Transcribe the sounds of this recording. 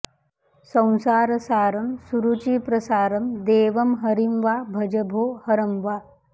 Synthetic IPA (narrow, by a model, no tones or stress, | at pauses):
sɐ̃w̃saːɾɐsaːɾɐmsuɾut͡ʃiːpɾɐsaːɾɐmd̪eːʋɐmɦɐɾimʋabʱɐd͡ʒɐbʱoːhɐɾɐmʋa